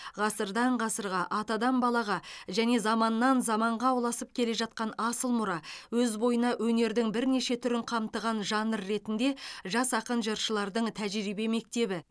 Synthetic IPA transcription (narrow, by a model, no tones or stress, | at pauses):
ʁɑsəɾd̪ɑɴʁɑsəɾʁɑʔɑt̪ɑd̪ɑmbɑlˠɑʁɑʒæne̞zɑmɑnːɑnzɑmɑɴʁɑwlˠɑsəp̚kʲʰe̞le̞ʒɑt̪̚qɑnɑsəlˠmʊɾɑwɵzbo̞jənɑʔwɵne̞ɾd̪ɪŋbɪɾne̞ʃe̞t̪ʰʏɾɪɴqʰɑmt̪əʁɑnʒɑnəɾːe̞t̪ɪnd̪e̞ʒɑsɑqənʒəɾʃəlˠɑɾd̪əɴt̪ʰæʒɾibe̞me̞k̚t̪e̞bɪ